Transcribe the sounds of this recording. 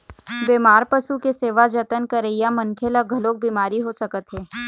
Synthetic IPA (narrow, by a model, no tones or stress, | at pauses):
beːmaːɾpɐʃukeseːʋad͡ʒɐt̪ənkɐɾeijamɐnkʰeləɡʱɐloːk̚biːmaːɾiɦosɐkət̪ɦeː